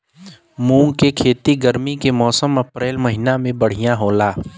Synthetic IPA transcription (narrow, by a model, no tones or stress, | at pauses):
mũːŋkekʰeːt̪iɡəɾmikemɔːsəmɐpɾeːlmɐɦɪnamẽbəɽ̤ijãɦoːlaː